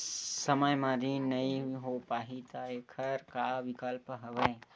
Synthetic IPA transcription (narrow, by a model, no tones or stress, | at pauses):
səməjmãɾinəĩɦopaːɦit̪əekʰəɾkaʋikəlpɦəʋəj